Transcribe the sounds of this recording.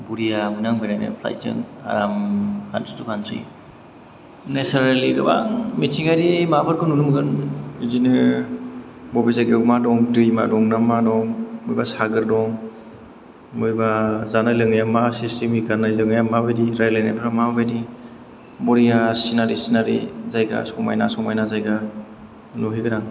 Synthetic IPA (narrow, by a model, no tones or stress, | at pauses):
buɾijabɯnaŋbanajna̰pʰla̰jzɯ̰ŋa̰ɾamkʰa̰nti̥tukansɯ̰j | nesaɾaliɡɯba̰ŋmitʰiŋajɾimabɯɾkɯnunumɡɯnizinɯ | bɔbizaɡemadɔŋdɯjma̰dɔŋnamadɔŋmujbasaɡɯɾdɔŋ | mujbazanajlɯŋjamasistimiɡanajzɯŋjamabejdiɾajlajnapʰaɾamabajdi | mɔɾijasinaɾisinaɾḭzajɡa̰sɔŋma̰jnasɔŋmajnazajɡa | noɦiɡɯnaŋ